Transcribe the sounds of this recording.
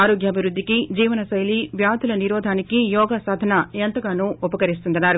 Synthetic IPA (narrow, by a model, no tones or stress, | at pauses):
aːɾoːɡjɐbʱiɾud̪ʱːikid͡ʒiːʋɐnɐsɐjliʋjaːt̪ulɐniɾɔːd̪ʱaːnikijɔːɡaːsaːd̪ʱɐnɐent̪ɐɡaːnuːupɐkɐɾist̪und̪ɐnːaːɾu